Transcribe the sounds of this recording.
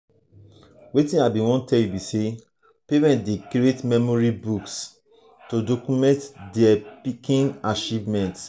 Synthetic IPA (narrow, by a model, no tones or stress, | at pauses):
wetĩnabĩwɔ̃ntʰɛljubise | pemɛ̃ntdekɾietmɛmɔɹibuks | todokumɛ̃ntdɛpikĩnat͡ʃivmɛ̃nt